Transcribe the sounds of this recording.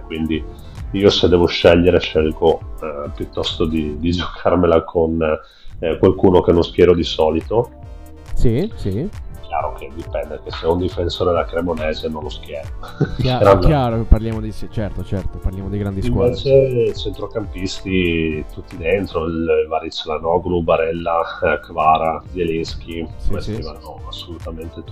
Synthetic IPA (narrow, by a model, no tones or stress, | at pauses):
kwind̪i | iːosed̪ːɛːvoʃɛʎːeɾeʃɛlkopjut̪ːɔst̪od̪id̪id͡ʒokʰarmelakʰon | kwalkuːnokenõnsk̟jɛːɾod̪isɔːlit̪o | sisik̟ja̰ːɾokʰed̪ipɛnd̪ek̟eseund̪ifensoːɾelakɾemonɛːzenonloskjɛːɾoɛɾanaɾopaɾljaːmod̪iit͡ʃɛrt̪ot͡ʃɛrt̪oparljaːmod̪iɡɾand̪iiskwvɛːt͡ʃet͡ʃent̪ɾokampist̪it̪ut̪ːid̪ent̪ɾoilvaɾit͡ʃːlanɔɡlubaɾɛlːakvaːɾad̪elisk̟ʰimest̪ivanɔasːolut̪ament̪et̪